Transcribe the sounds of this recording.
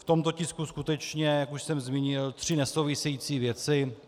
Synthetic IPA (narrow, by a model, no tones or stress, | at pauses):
ft̪o̞mt̪o̞cɪskuskut̪ɛt͡ʃɲɛjakuʃsɛmzmiːɲɪlt̪r̝̥ɪnɛsowvɪsɛjiːt͡siːvjɛt͡sɪ